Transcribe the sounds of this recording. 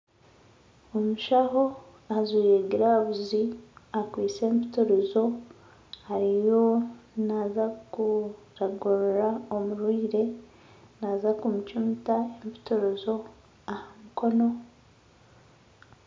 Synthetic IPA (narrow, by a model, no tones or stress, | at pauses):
omuʃaɦo̞ | aziːɾeɡiɾaβuziakwiːt͡se̞ːmpi̥tuɾuzo̞ | haɾijo̞nazaku | ɾaɡoɾoɾao̞muɾwiːɾe̞ | nazakumucumitaempi̥tuɾuzo̞ | ahamuko̞no̞